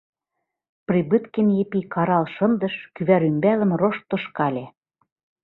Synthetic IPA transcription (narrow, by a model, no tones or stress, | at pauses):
prʲibɨt̪kenjepikɑɾɑlʃɤ̆nd̪ɤ̆ʃkyβæɾymbælə̆mroʃt̪ːŏʃkɑlʲe